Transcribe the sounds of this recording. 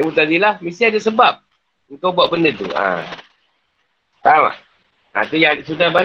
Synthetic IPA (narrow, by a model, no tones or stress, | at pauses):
imut̪adilahmisiadasəbap̚ | əŋkabuaʔbəndət̪ṵa̰ | t̪ama̰ | a̰t̪ujaʔsudahba